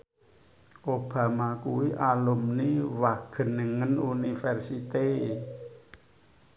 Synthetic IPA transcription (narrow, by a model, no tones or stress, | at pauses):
ʔob̥a̤makuwiʔalumniwaɡ̥ə̤nːəŋənunifɛrsit̪e